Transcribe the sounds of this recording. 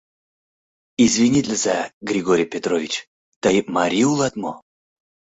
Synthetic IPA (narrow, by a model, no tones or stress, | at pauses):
izvʲinʲit̪ʲlʲəzaɡɾʲɪɡoɾʲɪjpʲet̪ɾovʲɪt͡ɕ | t̪aimɐɾʲiulˠat̪mo